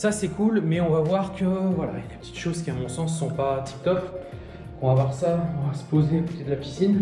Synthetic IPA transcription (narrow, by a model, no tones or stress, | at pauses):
sasɛkulmɛɔ̃vavwaʁkəvwala̰ledəpə̥t̪i̥t̪ʃozkʲiamɔ̃sɑ̃sːɔ̃pat̪ʰi̥p̚d̪ɔf | kɔ̃vavwaʁsaɔ̃vasə̥pozeakot̪ed̪əlapi̥sin